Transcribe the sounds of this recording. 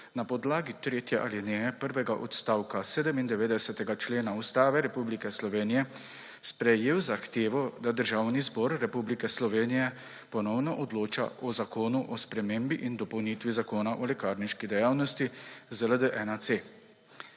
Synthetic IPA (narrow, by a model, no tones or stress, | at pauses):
napɔd̪laːɡit̪ɾeːt̪jɛʔalinɛpəɾʋɛɡaʔɔt̪st̪aːwkaseːd̪əmind̪ɛʋeːd̪ɛsɛt̪ɛɡat͡ʃleːnaust̪aːʋɛɾɛpublikɛslɔʋeːnijɛ | spɾɛjeːwzaxt̪eːʋɔd̪ad̪əɾʒaːwnizbɔːɾːɛpublikɛslɔʋeːnijɛ | pɔnɔwnɔʔɔd̪loːt͡ʃa̰ʔɔzakoːnuʔɔspɾɛmembiʔind̪ɔpɔwnit̪ʋizakoːnaʔɔlɛkaːɾniʃkid̪ɛjaːwnɔst̪izələd̪əʔɛːnat̪seː